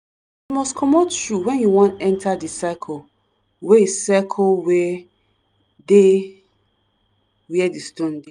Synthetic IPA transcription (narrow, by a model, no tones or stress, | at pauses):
jumɔskʰɔmɔtjuwɛ̃njuwɔ̃ntɛ̃ntʰadisakʰɔ | wɛesɛkʰɔlwɛ | de | wɛdistõnde